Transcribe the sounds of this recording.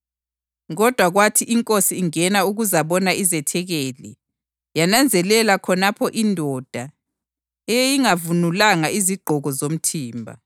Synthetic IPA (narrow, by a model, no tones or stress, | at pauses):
ɣɔd̥ʱwaɣwatʰiʔiŋkʼosiːŋɛnauɣuzaβɔnaizɛtʰɛɣeːlḭ | janand͡zʱɛlɛlakʰɔnapʰɔʔindʱɔd̥ʱa | ejjiŋavunulaŋaiziɡ͡ǃʱɔɣɔzom̩tʰiːmbʱa̰